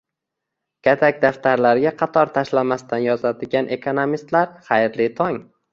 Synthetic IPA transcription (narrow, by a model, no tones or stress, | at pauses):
kʲʰat̪ʰakʲd̪aft̪aɾlaɾɡʲaqʰɑt̪ʰɒɾt̪ʰaʃlamast̪ʰanjɒzad̪ɪɡʲanʔe̞kʰonomist̪laɾχajɾlɪt̪ʰɒŋ